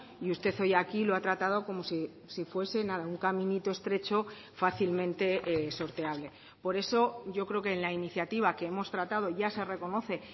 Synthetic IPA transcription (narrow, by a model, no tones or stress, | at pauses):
iust̪e̞θo̞jakiloat̪ɾat̪að̞o̞ko̞mo̞si | sifwe̞se̞naðauŋkamĩnit̪o̞e̞st̪ɾe̞t͡ʃo̞ | faθilmẽnt̪e̞eso̞ɾt̪e̞aβ̞le̞ | po̞ɾe̞so̞ɟ͡ʝo̞kɾe̞oke̞ːnlainiθjat̪iβ̞ake̞emo̞st̪ɾat̪að̞o̞ʝase̞re̞ko̞no̞θe̞